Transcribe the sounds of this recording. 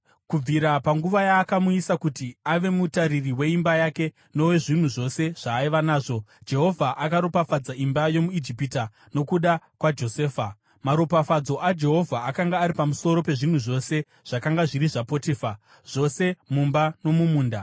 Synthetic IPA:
kub͡viɾapaŋɡuʋajaːkamuisakutiaʋe̞mutaɾiriwe̞imbajake̞ | no̞we̞ʐin̤uʐo̞se̞ʐ̥aːiʋanaːʐo̞d͡ʒe̞ɦo̞vʱaʔakaɾopafad͡zaimbajo̞muid͡ʒipita | no̞kuɗakwad͡ʒo̞seːfa | maɾopafad͡zo̞ʔad͡ʒe̞ɦo̞vʱaakaŋɡaːɾipamuso̞ɾo̞pe̞ʐin̤uʐo̞se̞ | ʐ̥akaŋɡaʐiɾiʐapotefa | ʐ̥o̞se̞mumbano̞mumuːnda

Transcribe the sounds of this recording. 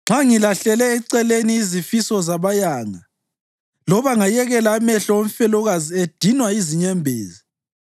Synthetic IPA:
ŋ͡ǁʱaŋilaɬɛlɛːǀɛleniːzifisɔzaβajaːŋa | lɔβaŋajɛɣɛlaːmɛɬɔoɱfɛlɔɣazied̥ʱinwaiziɲɛmbʱḛːzi

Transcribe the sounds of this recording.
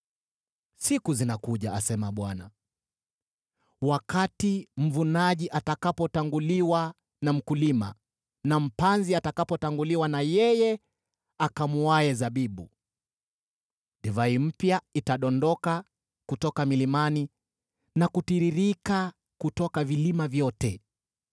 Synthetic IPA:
sikuzinakuʄaasɛmaɓwana | wakatim̩vunaʄiʔatakapɔtaŋɡuliwa | nam̩kulima̰ | nam̩panziatakapɔtaŋɡuliwanajɛjɛ | akamuwajɛzaɓiɓṵ | ɗɛvaim̩pjaitaɗɔndɔka | kutɔkamilimani | nakutiɾiɾika | kutɔkavilimavjɔtɛ

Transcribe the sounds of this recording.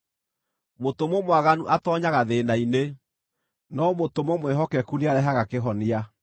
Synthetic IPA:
motomomwaɣanuʔatɔɲaɣaðenaine | nɔmotomomwɛɦɔkɛkuniaɾɛɦaɣakeɦɔnia

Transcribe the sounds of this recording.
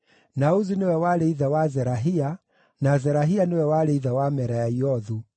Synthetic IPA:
nauzinewɛwaɾeiðawazɛɾaɦia | nazɛɾaɦianewɛwaɾeiðawamɛɾajaiɔðu

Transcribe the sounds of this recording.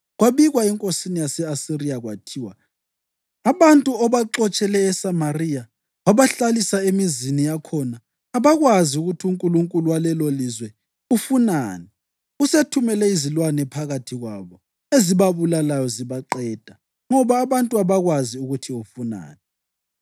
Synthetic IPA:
ɣwaβiɣwaɛŋkʼosinijasɛasiriaɣwatʰiwa | aβantʼuɔβaǁɔt͡ʃʼɛlɛːsamarija | waβaɬalisaemizinijakʰɔnaː | βaɣwaziuɣutʰiuŋkʼuluŋkʼuluwalɛlolizwɛ | ufuna̰ːnɛ | usetʰumɛlɛizilwanɛpʰaɣatʰiɣwaβɔ | eziβaβulalajɔziβaǃɛd̥ʱa | ŋɔβaːβantʼuaβaɣwaziuɣutʰiufuna̰ːnɛ

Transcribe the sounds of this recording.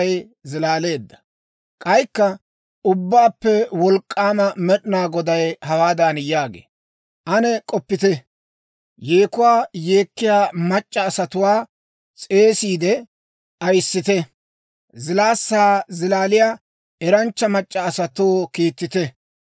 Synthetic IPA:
j | zɪlaːle̞ːd̪ːɐ̥ | kʼɐjkːɐ | ʊbːaːpːɛwɔlkʼːaːmɐmɛɗɪnaːɡɔd̪ɐjhɐwaːd̪aːnjaːɡḛː | ʔɐnɛkʼɔpːɪt̪ɛ | jeːkʊwaːjeːkːɪjaːmɐt͡ʃʼːɐːsɐt̪ʊwaː | t͡sʼe̞ːsiːd̪ɛ | ʔɐjsːɪt̪ɛ | zɪlaːsːaːzɪlaːlɪjaː | ɛɾɐnt͡ʃːɐmɐt͡ʃʼːɐːsɐt̪oːkiːt̪ːɪt̪ɛ

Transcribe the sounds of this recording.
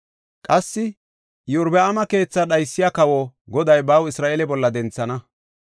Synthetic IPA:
kʼɐsːɪ | jʊɾbɛɐmɐke̞ːt͡sːɐɗɐjsːɪjakɐwɔɡɔd̪ɐjbɐwɪsɾaːʔelɛbɔlːɐd̪ɛnt͡sːɐnɐ

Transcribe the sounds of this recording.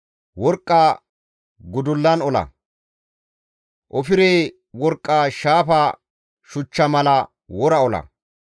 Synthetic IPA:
wɔɾkʼːaː | ɡʊd̪ʊlːɐnɔlɐ̰ | ʔɔfɪɾeː | wɔɾkʼːaʃaːfɐ | ʃʊt͡ʃːɐmɐlɐ | wɔɾɐɔlɐ̰

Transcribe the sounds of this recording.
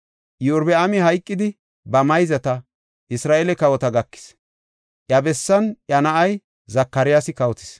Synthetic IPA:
jʊɾbɛɐmɪɦɐjkʼːɪd̪ɪ | bɐmɐjzɐt̪ɐ | ʔɪsɾaːʔɛlɛkɐwɔt̪ɐɡɐkːɪ̥s | ʔjɐbɛsːɐnʔɐnɐʔɐj | zɐkːɐɾɪjasɪkɐwɔt̪ɪ̥s

